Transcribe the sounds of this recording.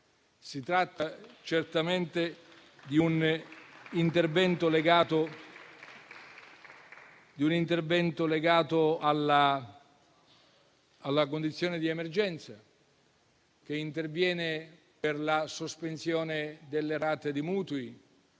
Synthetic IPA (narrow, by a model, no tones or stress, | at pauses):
sit̪ɾat̪ːat͡ʃert̪ament̪e | d̪iun | int̪ervɛnt̪oleɡaːt̪o | d̪iunint̪ervɛnt̪oleɡaːt̪oala | alːak̬ond̪it̪sːjɔːnɪd̪iɛmerd͡ʒɛnt̪sa | k̟eint̪ervjɛːne | perlasospensjɔːned̪elːeɾaːt̪ed̪imuːt̪ui